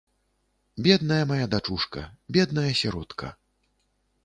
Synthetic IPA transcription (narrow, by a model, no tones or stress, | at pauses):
bʲɛd̪̚nɐjɐmajad̪at͡ʂuʂkɐ̰bʲɛd̪nɐjɐsʲɛɾɔt̪kʰɐ̰